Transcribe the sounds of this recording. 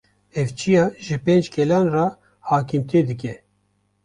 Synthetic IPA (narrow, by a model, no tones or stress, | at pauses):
ɛvt͡ʃʰijɑːʒɨpeːnd͡ʒkʰɛlɑːnrɑ | haːkimt̪ʰeːd̪ɨkɛ